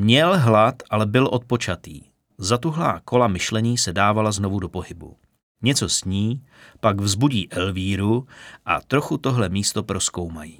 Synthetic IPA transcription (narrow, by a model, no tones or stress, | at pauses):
mɲɛlɦlat̪ʔalɛbɪlʔo̞t̪̚po̞t͡ʃat̪ḭː | zat̪uɦlaːko̞lamɪʃlɛɲiːsɛdaːvalazno̞vudo̞po̞ɦɪbṵ | ɲɛt͡so̞sɲiː | paɡvzbuɟiːʔɛlviːɾuʔa̰t̪ɾo̞xut̪o̞ɦlɛmiːst̪o̞pɾo̞sko̞wmajiː